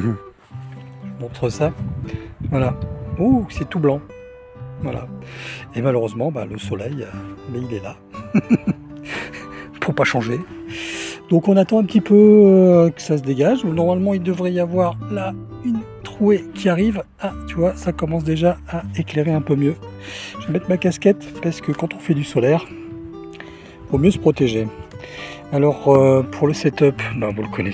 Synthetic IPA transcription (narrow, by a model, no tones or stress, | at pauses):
mɔ̃t̪χəsa | vwalausɛt̪ublɑ̃ | vwa̰la̰emaløʁøzmɑ̃ba̰ləsɔlɛjəmɛilɛla | puʁpaʃɑ̃ʒe | d̪̥ɔ̃kɔ̃nat̪ɑ̃ɛ̃pət̪ipʰø | kə̥sas̬əd̪eɡaʒunɔʁmalmɑ̃ild̪əvʁɛjavwaʁla | yn | t̪χuekʲiaʁiv | at̪yvwasakɔmɑ̃s̬d̪eʒaaekleʁeɛ̃pømjø | ʒ̥ɛmɛt̪makaskʲɛt̪paʁsə̥kəkɑ̃t̪ɔ̃fɛd̪ysɔlɛʁ | vomjøsə̥pχɔt̪eʒe | alɔʁøpʰuʁləsɛt̪œpbavuləkʰɔnɛ